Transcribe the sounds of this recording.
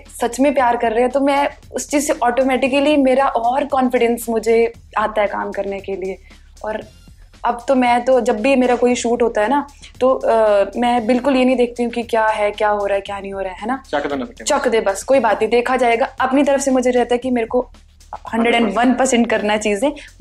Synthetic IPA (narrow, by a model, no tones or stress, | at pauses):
sɐt͡ʃmẽpjaːɾkɐɾːeeɦɛ̃t̪omɛ̃ | ʊst͡ʃiːzseʔɔːʈoːmɛːʈɪkəlimeːɾaʔɔːɾkɔ̃ːnfɪɖɛ̃nsmʊd͡ʒʱe | aːt̪aɦɛka̰ːmkɐɾnekelie | ɔːɾ | ɐbt̪omɛ̃ːt̪od͡ʒɐbːimeːɾakoːiʃuːʈɦoːt̪aɦɛnat̪omɛ̃ːbɪlkʊljenɐɦĩd̪eːk̚ʰt̪iɦũkikjaːɦɛkjaːɦoːɾaːɛkjaːnɐɦĩɦoːɾaɦɛɦɛːnak̪t͡ʃɔːkd̪eːbɐskoːibaːt̪nɐɦĩd̪eːkʰad͡ʒaːeːɡaɐpnit̪ɐɾəfsemʊd͡ʒʱeɾɛɦt̪aɦɛkimeːɾeko | hɐ̃ɳɖɾəɖɛ̃ːɳɖʋɐnpɐɾsɛ̃ɳʈkɐɾnaɦɛt͡ʃiːzẽː